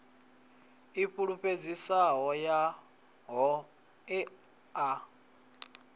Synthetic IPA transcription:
iɸuɺuɸed͡zisaɦɔja | ɦɔ | ɛ | a

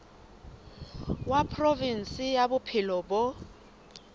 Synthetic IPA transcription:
wapʰrovin̩sɪjabʊpʰɪlɔbʊ

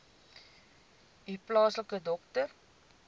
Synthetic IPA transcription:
iplɑːsləkədɔktər

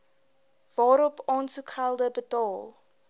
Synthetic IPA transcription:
vɑːɾɔpɑːntukʰalˠdəbətɑːlˠ

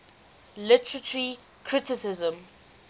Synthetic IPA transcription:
lɪtəɹətɹi | kʰɹɪtɪsɪzə̃m

